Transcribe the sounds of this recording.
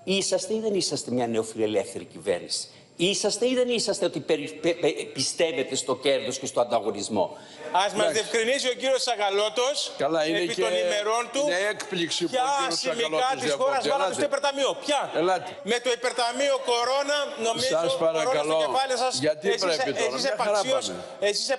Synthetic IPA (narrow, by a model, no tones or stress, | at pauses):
isɐst̪eiðe̞nisɐst̪e̞mɲɐne̞ofilelefθe̞ɾicivḛɾnḭsi̥ | isɐst̪e̞iðe̞nisɐst̪eot̪ipeɾpepist̪e̞ve̞t̪e̞st̪o̞ce̞ɾðo̞sce̞st̪oɐnd̪ɐɣo̞nizmo̞̰ | ɐzmɐzðiefkɾinisiociɾiosɐɣɐlo̞t̪o̞skɐlɐieepionime̞ɾo̞nt̪uekpliksiɐsimilɐissxoɾɐsɐɐost̪oipeɾt̪ɐmiopçɐelɐt̪ime̞t̪oipe̞ɾt̪ɐmioko̞ɾo̞nɐno̞mizɐsɐɾɐɾoooepɐlisɐsʝɐt̪isɾesesisepɐsios | esise